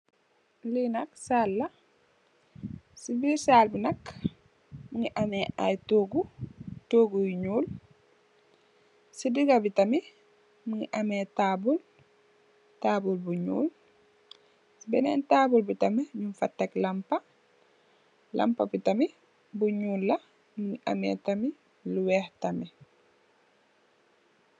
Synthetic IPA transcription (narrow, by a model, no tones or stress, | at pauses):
linaksalːa | sibisaːlbinɐk | miŋɡiʔamɛa̰jtoːɡutoːɡujɲuːl | sidiɡabitami | miŋiʔamɛtaːbul | taːbulbuɲṵːl | sbɛnɛ̰ntaːbulbitamɛɲumfatːaklampa | lʔa̰mpa̰bitami | buɲuːlːa | miŋiʔa̰mɛtami | luwɛhtamɛ